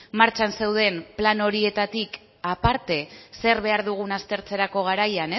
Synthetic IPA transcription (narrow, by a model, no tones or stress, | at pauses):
maɾt͡ʃanse̞wð̞e̞mplano̞ɾie̞t̪at̪ik | apaɾt̪e̞se̞ɾβe̞aɾðuɣunast̪e̞ɾt͡se̞ɾako̞ɣ̞aɾajane